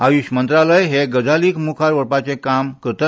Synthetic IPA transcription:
ajuɕmənt̪ɾaləjɦeɡəd͡zaliːkmukʰaɾʋəɾpat͡sekamkət̪ə

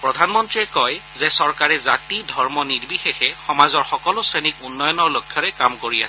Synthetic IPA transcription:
pɹɔdʱanmɔntɹiɛkɔjzɛsɔɹkaɹɛzatidʱɔɹmɔnitbixexɛxɔmazɔɹxɔkɔlʊsɹenikunːɔjɔnɔɹlokʰjɔɹɛkamkoɹia̰sɛ̥

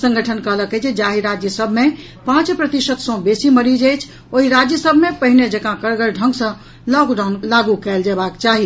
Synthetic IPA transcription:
sə̃ŋɡʱəʈʰənkəɦləkɛt͡ʃʰed͡ʒaɦiɾad͡ʒjəsəbʱme | pãt͡ʃpɾət̪iʃət̪sɔ̃besiməɾid͡ʒɛjt͡ʃʰ | oɦiɾad͡ʒjəsəbʱmepəɦined͡ʒəkãkəɾɡəlɖʱə̃ŋɡsə̃ | lɔkɖanlaɡukɛld͡ʒebakt͡ʃaɦi

